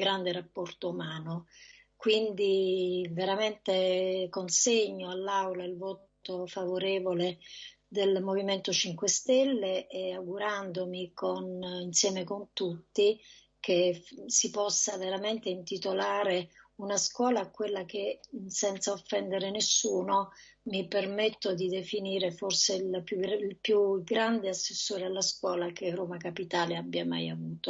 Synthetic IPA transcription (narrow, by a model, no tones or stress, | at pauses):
ɡɾand̪eɾapːɔrt̪oumaːno | kwind̪iveɾament̪ekonseɲːoalːawlailvɔːt̪ofavoɾɛːvole | d̪elmoviment̪ot͡ʃiŋkwest̪ɛlːeʔːaɡuɾand̪omikoninsjɛːmekont̪ut̪ːi | kʰesipɔsːaveɾament̪eint̪it̪olaːɾeunaskwɔːlakːwelːak̟esɛnt̪saofːɛnd̪eɾenesːuːnomipermɛt̪ːod̪id̪efiniːɾeforselpuilpjuɡɾand̪easːesːoːɾealːaskwɔːlakeroːmakapit̪aːleabːjama̰javuːt̪o